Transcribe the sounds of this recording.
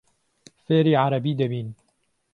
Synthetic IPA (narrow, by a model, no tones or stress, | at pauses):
feːɾiːʕaɾˤɑbiːd̪ɐbiːn